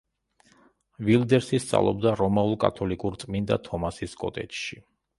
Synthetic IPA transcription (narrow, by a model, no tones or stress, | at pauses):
vilˠd̪ɛɾsist̪sʼa̰vlˠɔbd̪aɾɔmaulˠkʼa̰t̪ʰɔlikʼuɾt̪sʼmind̪a̰t̪ʰɔmasiskʼɔt̪ʼɛt͡ʃʃi